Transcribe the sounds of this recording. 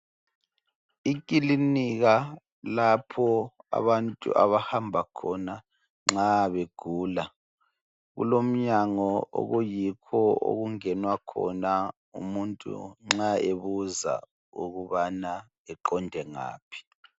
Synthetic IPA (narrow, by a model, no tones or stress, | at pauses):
ik̬ʼiliniɣa | lapʰɔa̰βantʼṵʔa̰βahambʱakʰɔna | ŋ͡ǁaβeɡ̥ʱuːla | ɣṵlom̩ɲaŋɔo̰ɣujikʰɔo̰ɣuŋɛnwakʰɔna | ṵmuntʼṵŋ͡ǁaeβuza̰ | ṵɣuβana | ɛǃɔndʱɛŋa̰ːpʰi̥